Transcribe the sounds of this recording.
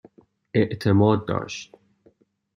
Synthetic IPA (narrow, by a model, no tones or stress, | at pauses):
eʔt̪ʰemɒːd̪̚ːɒ̰ːʃt̪